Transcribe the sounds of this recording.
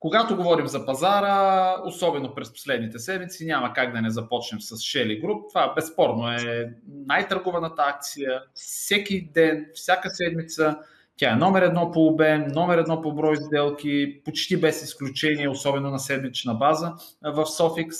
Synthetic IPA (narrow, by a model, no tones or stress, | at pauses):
koɡat̪oɡovɔɾimzɐpɐzaɾəosɔbɛnopɾɛspo̥slɛd̪nit̪ɛsɛd̪mit̪sinʲamɐkaɡ̚d̪ɐnɛzɐpɔt͡ʃnɛmsɐsʃɛliɡɾup̚t̪ovaɛbɛspɔɾnoɛnajt̪ɐɾɡɔvɐnət̪əak̚t̪sijəfsʲɛkʲid̪ɛnfsʲjakəsɛd̪mit̪sə | tʲaɛnɔmɛɾɛd̪nɔpoːbɛmnɔmɛɾɛd̪nɔpobɾɔjzd̪ɛlˠkʲipot͡ʃt̪ibɛsisklʲut͡ʃɛniɛosɔbɛnonɐsɛd̪mit͡ʃnɐbazə | vɐfsɔfiks